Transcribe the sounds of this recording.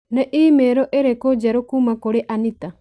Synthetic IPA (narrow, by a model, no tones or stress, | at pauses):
nɛʔiːmeɾoʔeɾekod͡ʒaɾokumakoɾeʔanit̪a